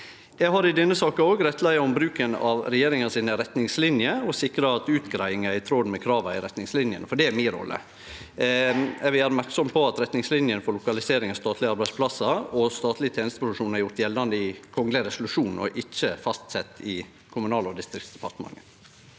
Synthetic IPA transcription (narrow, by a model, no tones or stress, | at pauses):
jæɡɦɑɾɪd̪ɛnːəsɑːkɑoːɡɾɛt̪læɪɑɔmbɾʉːkənɑʋɾɛjeːɾɪŋɑnsiːnəɾɛt̪nɪŋslɪnjəɔsɪkɾɑɑt̪ʉːt̪ɡɾæɪɪŋəæɪt̪ʰɾoːd̪mɛkʰɾɑːʋɑɪ̰ɾɛt̪nɪŋslɪnjə̰nfɔɖɛæɾmɪɾɔ̰lːə̰ | ɛʋɪlæːɾmæɾksɔmpʰɔɑt̪ɾɛt̪nɪŋslɪnjənfɔɾɭʊkɑlɪseːɾɪŋəst̪ɑːt̪lɪɑɾbæɪspʰlɑsɑɔst̪ɑːt̪lɪt̪ʰeːnɪst̪əpɾʊʋ̪ʂuːnɑɾjʊɾʈ̪jɛlːɑnd̪əɪkʰɔŋləɾɛsʊlʉʂuːnɔ̰ʔɪt͡ʃːəfɑst̪sɛt̪ːɪ | kʰʊmʉnɑːlɔd̪ɪst̪ɾɪktsd̪̥ɛ̥pʰɑʈ̪əmɑ̰ŋːə